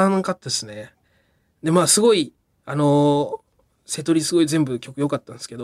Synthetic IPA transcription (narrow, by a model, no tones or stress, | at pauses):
ãkat̪ːaesɨne̞ | d̪e̞maːsɨɡo̞i | ano̞ | se̞t̪o̞ɾʲisɨɡo̞izẽ̞mbɯ̟kʲo̞kɯ̟jo̞kat̪ːãñsɨ̥ke̞d̪o